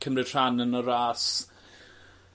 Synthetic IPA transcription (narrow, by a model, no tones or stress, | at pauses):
kʰəmrɪtʰr̥anənɔɾaːs